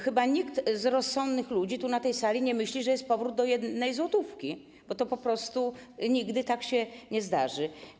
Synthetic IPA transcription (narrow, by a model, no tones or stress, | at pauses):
xɘbaɲikt̪zɾɔsːɔnd̪nɘxlud͡ʑit̪unat̪ɛjsalʲiɲɛmɘɕlʲiʐɛjɛst̪pɔvɾud̪̚d̪ɔjɛd̪nɛjzwɔt̪ufkʲi | b̥ɔt̪ɔpɔpɾɔst̪uɲiɡd̪ɘt̪akɕɛɲɛzd̪aʐɘ